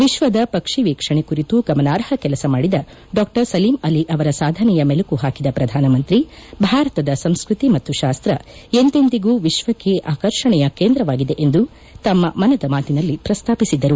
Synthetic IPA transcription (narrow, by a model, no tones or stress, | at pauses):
ʋiʃʋɐd̪ɐpɐkʂiʋiːkʂɐɳekuɾit̪uɡɐmɐnaːɾhɐkɛlɐsɐmaːɽid̪ɐ | ɖɔːk̚ʈɐɾsɐliːmɐliʔɐʋɐɾɐsaːd̪ʱɐnɛjɐmɛlɐkuɦaːkid̪ɐpɾɐd̪ʱaːnɐmɐnt̪ɾibʱaːɾɐt̪ɐd̪ɐsɐmskɾut̪imɐt̪ːuʃaːst̪ɾɐent̪end̪iɡuːʋiʃʋɐkːeʔaːkɐɾʂɐɳɛjɐkeːnd̪ɾɐʋaːɡid̪e̞ʔend̪u | t̪ɐmːɐmɐnɐd̪ɐmaːt̪inɐlːipɾɐst̪ʰaːpisid̪ːɐɾu